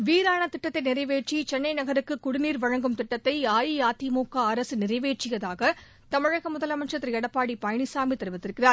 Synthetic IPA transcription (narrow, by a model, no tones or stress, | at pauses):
ʋiːɾaːɳɐt̪ɪʈːɐt̪ːɐɪnɪɾɐɪʋeːʈ̚t͡ʃːit͡ʃɛnːɐɪnɐɣɐɾɯkːɯkːʊɽɪniːɾʋɐɻɐŋɡɯmt̪ɪʈːɐt̪ːɐɪaːjijaːt̪imuːkːaɐɾɐsɯnɪrɐɪʋeːʈ̚t͡ʃɪjɐðaːɣɐ | t̪ɐmɪɻɐɣɐmʊðɐlɐmɐt͡ʃɐt̪ːɪɾiɛɽɐpːaːɽipɐjɐɳɪsaːmit̪ɐɾɯʋɐt̪ːɪɾɯkːɪraːɾ